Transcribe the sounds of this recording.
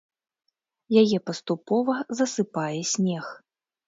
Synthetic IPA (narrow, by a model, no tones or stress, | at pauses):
jajɛpɐst̪upɔvɐzɐsɨpajɛsʲnʲɛx